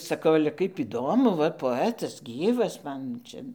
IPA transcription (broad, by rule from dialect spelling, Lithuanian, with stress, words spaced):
sɐˈkɐʊ ɐlʲɛ ˈkɐɪp ɪˈdoːmʊ ˈʋɐ poːˈæːtɐs ˈɡʲiːʋɐs ˈmɐn ˈt͡ʃʲɛ